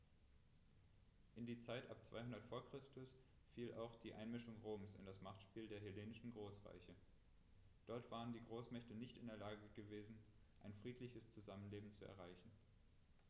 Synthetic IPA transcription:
ʔɪndiːt͡saɪtʔa̰p̚t͡sv̥a̰ɪhʊndɐtfoːɐkʁ̥ɪstʊs | fiːlʔa̰ʊxd̥iːʔa̰ɪnmɪʃʊŋʁoːmsɪ̰ndasmaχtʃpiːldeːɐɦɪleːnɪʃn̩ɡʁoːsʁa̰ɪçə | d̥ɔɐtv̥aːʁəndiːɡʁoːsmɛçtənɪçtɪndeːɐlaːɡəɡəveːzn̩ | ʔaɪnfʁ̥iːtʰlɪçəst͡suzamənleːbm̩t͡suɛ̰ɐʁaɪçn̩

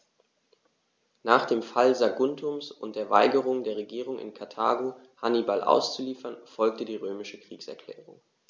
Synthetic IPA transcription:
naːχd̥eːmfalzaɡʊntʊmsʊnt̚d̥eːɐva̰ɪɡəʁ̞ʊŋdeːɐʁ̞eɡiːʁ̞ʊŋɪ̰nkʰaɐtʰa̰ːɡo | hanibalʔa̰ʊst͡suliːfɐnfɔlk̚tədiːʁøːmɪʃəkʁ̥iːksɛɐkʰl̥ɛ̰ːʁʊŋ

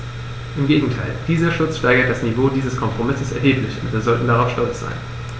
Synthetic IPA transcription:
ʔɪmɡeːɡŋ̩tʰaɪld̥iːzɐʃʊt͡sʃtaɐɡɐt̚d̥asnivoːdiːzəskʰɔmpʁ̥omɪsəsɛɐɦeːplɪçʊ̰ntv̥iːɐzɔltn̩daʁaʊfʃtɔlt͡sz̥a̰ɪn

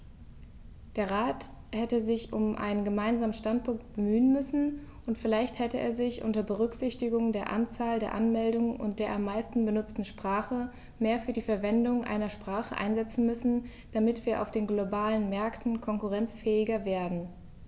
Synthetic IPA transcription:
d̥eːɐʁaːt | hɛtəzɪçʔʊmʔa̰ɪnənɡəmaɪnzaːmənʃtant̚pʰʊŋkt̚b̥əmyːənmʏsn̩ʔʊntfɪlaɪçthɛtəʔḛːɐzɪçʔʊ̰ntɐbəʁ̞ʏkz̥ɪçtɪɡʊŋdeːɐʔa̰nt͡saːldeːɐʔa̰nmɛldʊŋənʔʊ̰nt̚d̥eːɐʔamːaɪstn̩bənʊt͡stn̩ʃpʁ̥aːχə | meːɐfyːɐdiːfɛɐvɛndʊŋʔa̰ɪnɐʃpʁ̥aːχə̰ʔa̰ɪnzɛt͡sn̩mʏsn̩ | d̥amɪtv̥iːɐʔaʊfd̥eːnɡlobaːlənmɛɐktn̩kʰɔŋkuʁɛnt͡sfɛːɪɡɐveːɐdn̩

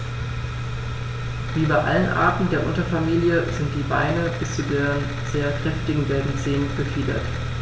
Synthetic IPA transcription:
viːbaɪʔa̰lənʔa̰ːɐtn̩deːɐʔʊntɐfamiːljəzɪnt̚d̥iːba̰ɪnəb̥ɪst͡sudeːɐ | z̥eːɐkʁ̥ɛftɪɡŋ̩ɡɛlbm̩t͡seːnəb̥əfiːdɐ̰t

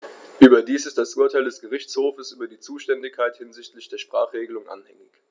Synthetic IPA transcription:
ʔyːbɐdiːsɪstd̥asʔuɐtʰaɪldɛsɡ̥əʁ̞ɪçt͡shoːfəsʔyːbɐdiːt͡suːʃtɛndɪkʰaɪthɪnzɪçtlɪçd̥eːɐʃpʁ̥aːχʁ̥eːɡəlʊŋʔa̰nhɛ̰ŋɪç

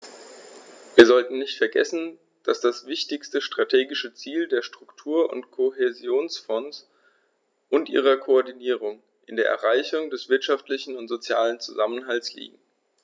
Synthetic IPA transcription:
viːɐzɔltn̩nɪçtfɛɐɡɛ̰sn̩ | d̥asd̥asv̥ɪçtɪçstəʃtʁ̥atʰeːɡɪʃət͡siːldeːɐʃtʁ̥ʊktʰuːɐʔʊ̰ntkʰoɦezjoːnsfɔns | ʔʊntʔḭːʁ̞ɐkʰoɔɐdiniːʁ̞ʊŋ | ʔɪndeːɐɛ̰ɐʁaɪçʊŋdɛsv̥ɪɐtʃaftlɪçn̩ʊntz̥ot͡sjaːlənt͡suzamənɦalslḭːɡŋ̩

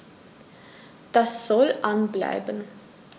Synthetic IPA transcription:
d̥asz̥ɔlʔanbla̰ɪbən

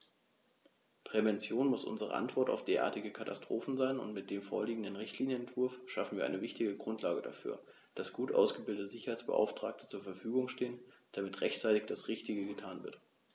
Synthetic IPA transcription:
pʁ̥ɛvɛnt͡sjoːnmʊsʔʊ̰nzəʁə̰ʔa̰ntv̥ɔɐta̰ʊfd̥eːɐʔa̰ːɐtɪɡəkʰata̰stʁ̥oːfn̩zaɪnʊ̰ntmɪt̚d̥eːmfo̰ːɐliːɡŋ̩dənʁɪçtliːnjənɛntv̥ʊɐfʃafn̩viːɐʔaɪnəvɪçtɪɡəɡʁʊntʰlaːɡəda̰fy̰ːɐ | d̥asɡ̥uːtʔa̰ʊsɡ̥əbɪldətəzɪçɐhaɪt͡sb̥ə̰ʔa̰ʊftʁ̥aːk̚tə̥t͡suːɐfɛɐfyːɡʊŋʃteːən | d̥amɪtʁɛçtt͡saɪtɪçd̥asʁɪçtɪɡəɡətʰaːnvɪ̰ɐt

